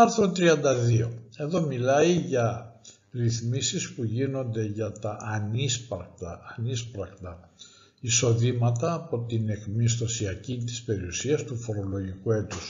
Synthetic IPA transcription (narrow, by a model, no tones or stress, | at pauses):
ɐɾθɾot̪ɾiɐnd̪ɐðio̞̰e̞ðo̞milɐiʝɐ | ɾiθmisispuʝino̞nd̪e̞ʝɐt̪ɐʔːnispɐkt̪ɐːnispɾɐkt̪ɐ | iso̞ðimɐt̪ɐːpo̞t̪ine̞kmist̪o̞siɐcit̪i̥spe̞ɾiusiɐst̪ufo̞ɾo̞lo̞ʝikue̞t̪us